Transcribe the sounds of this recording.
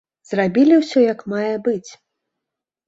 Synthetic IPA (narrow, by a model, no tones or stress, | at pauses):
z̥rabʲilʲiwsʲɔjɐkmajɛbɨt͡sʲ